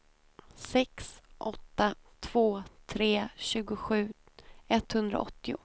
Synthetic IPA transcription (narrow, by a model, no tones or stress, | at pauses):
sɛksʔɔt̪ːat̪ʰv̥oːt̪ʰɾeːɕʉ̟ːɡʊɧʉ̟ː | ɛt̪ːhɵnd̪ɾa̰ɔ̰t̪ːɪʊ̰